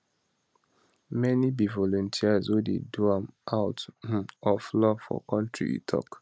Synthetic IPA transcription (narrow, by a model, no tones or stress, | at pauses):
mɛnibivɔlɔ̃ntʰiazwodḛduãmʔaʊt̩ɔflɔfɔ̰kɔ̃ntɹḭḭtʰɔ̰k